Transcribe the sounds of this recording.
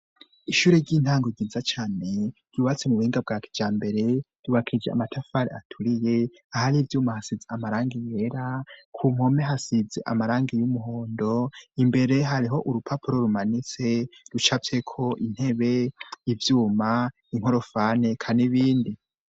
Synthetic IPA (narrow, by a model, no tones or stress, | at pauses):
iʃuːɾeɾɟiːnhaːŋɡoɟiːzat͡ʃaːne̞ɡ̥uβat͡semuβuiːŋɡab̚ɡaːkʰe̥d͡ʒaːmbe̞ɾe̞d̥uβakʰid͡ʒea̰matʰafaɾeatʰuɾije̞ | ahaɾivjuːmahasizeamaɾaːŋɡije̞ɾakʰumo̞meɦasid͡zeʔa̰maɾaːŋɡijumuɦo̞ːndo̞imbe̞ɾe̞ɦaɾiɦo̞ʔuɾupʰapʰuɾo̞ɾumanit͡se̞ɾut͡ʃafekʰo̞ʔin̥he̞βe̞ivjuːma | iŋ̥o̞ɾo̞faːne̞kʰaniβiːndi